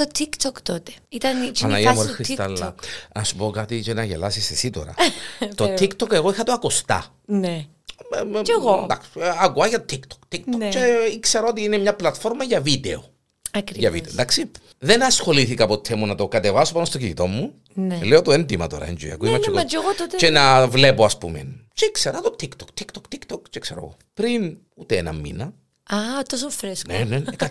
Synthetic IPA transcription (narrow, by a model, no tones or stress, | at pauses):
ot̪ikt̪okt̪ot̪eit̪ɐnɐlɐiɐmoɾxist̪ɐlːɐ̰nɐsupo̞kɐt̪it͡ʃenɐʝḛlɐsisesit̪o̰ɾɐ̰t̪ot̪ːikt̪okeɣoixɐt̪oɐkost̪ɐ̰ | ne | ɣod̪ɐksɐkuɐʝɐt̪ot̪ikt̪ʰo̥kt̪ːik̚t̪ot͡ʃeikseɾɐot̪iinemɲɐplɐt̪fo̞ɾmɐʝɐvid̪eo | ɐkɾijɐvḭd̪ḛd̪aksi | ðenɐsxo̞liθikɐːpot̪ʰːemunɐt̪o̞kɐt̪evɐsopɐnost̪ocinit̪o̞mːu | neleot̪oend̪imɐt̪o̰ɾɐ̰ḛnd͡ʒo̰jiɐ̰kuimɐt͡ʃːeɣod͡ʒeɣoot̪t͡ʃenɐvlepoɐspṵmḛnt͡ʃeikseɾɐt̪ot̪ːikt̪okt̪ikt̪okt̪ikt̪okt͡ʃekseɾo̰ɣopɾin | ut̪eenɐ̰mːḭnɐ | at̪os̬ofɾesnenen